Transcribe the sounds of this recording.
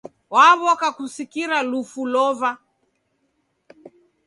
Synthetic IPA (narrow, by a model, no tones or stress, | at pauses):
waβɔkakusikiɾalufulɔva